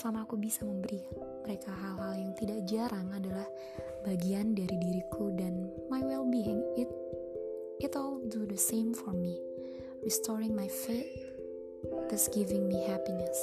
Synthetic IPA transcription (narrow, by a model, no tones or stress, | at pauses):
səlamaːkubisaməmbəɾi | məɾekaɦalɦaljaŋt̪idaʔ̚d͡ʒaɾaŋadalah | baɡiandaɾidiɾikʰudan | majwɛlbiɪŋɪt̚ | ɪt̪ɔldudəsẽmfɔrmi | ɹist̪ɔɾɪŋmajfet̪̚ | dəsɡ̥ɪvɪŋmihapinɛs